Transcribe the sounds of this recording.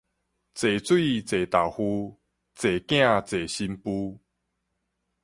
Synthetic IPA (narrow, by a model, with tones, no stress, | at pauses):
t͡se˨˩t͡swi˥˧t͡se˨˩t̪a˨˩whu˦ | t͡se˨˩kj̃ã˥˧t͡se˨˩ɕi˧mpu˦